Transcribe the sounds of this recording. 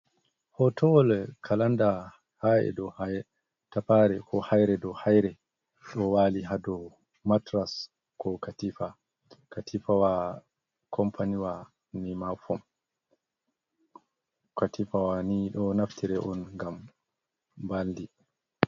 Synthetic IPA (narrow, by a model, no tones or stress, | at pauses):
hɔtʰɔɔlkʰalanda | haɛ̰dɔhaj | tapaɾɛkɔhajɾɛdɔhajɾɛ | ɗɔwaliɦadɔ | matɾas | kɔkatifa | katʰifawa | kʰɔmpʰaniwa | nimafɔm | katifawaniɗɔnaftʰiɾɛʔɔnŋɡam | baldi